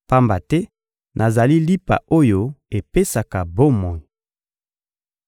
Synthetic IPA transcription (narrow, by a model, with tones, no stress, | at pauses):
pa˦mba˨tɛ˦ | nʔa˨za˨li˦li˦pa̰˨o˦jo˦e˨pe˦sa˨ka˨bo˦mɔ˨i˨